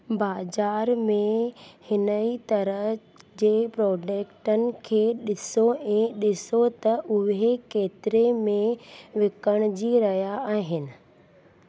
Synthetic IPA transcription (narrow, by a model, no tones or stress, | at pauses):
baːzaːɾmẽhɪnəit̪ɐɾəɦ | d͡ʑeːpɾɔːd͡ʑeːkʈənɪ̆kʰeːɗɪsoɛ̃ːɗɪsot̪ɐʔʊɦekeːt̪ɪɾemẽʋɪkəɽ̃d͡ʑiːɾɐɦjaaːɦɪnɪ̆